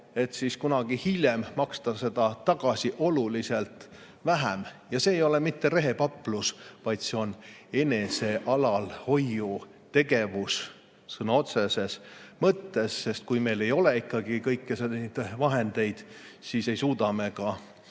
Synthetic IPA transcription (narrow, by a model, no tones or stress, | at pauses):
e̞t̪siskunɑɡ̥ihilʲjemmɑkst̪ɑse̞d̪̥ɑt̪ɑɡ̥ɑsʲiʔo̞lulise̞lt̪ˑ | væɦæmjɑse̞ːjo̞lemit̪ːeɾe̞ɦe̞pɑpːlusvɑjt̪se̞o̞ne̞ne̞se̞ʔɑlɑlho̞jːu | t̪e̞ɡ̥e̞vus | sɤnɑo̞t̪se̞se̞smɤt̪ːe̞sːe̞st̪̚kujme̞jle̞jo̞leikːɑɡikɤjkːeseid̪vɑɦe̞nd̪̥e̞jd̪̥ | sise̞jsuːd̪ɑme̞kɑ